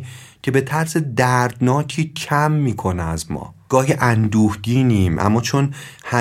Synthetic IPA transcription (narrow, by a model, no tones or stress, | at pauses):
cʰe̞be̞t̪ʰæɾsed̪æɾd̪nɒːcʰiːcʰæmːiːkʰo̞neæzmɒ̰ːɡ̥ɒːɦiʔænd̪uːhd̪iːniːmʔæ̰mːɒːt͡ʃʰo̞nhæ